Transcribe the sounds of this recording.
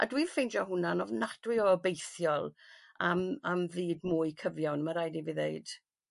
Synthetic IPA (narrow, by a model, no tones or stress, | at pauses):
ʔa̰dwiv̥fɪjnd͡ʒɔɦʊnanɔvnad̥wɪɔɔbejθjɔlˠ | amamviːdmʊːɨkʰəvjawnəmaɾajdiviðejd̥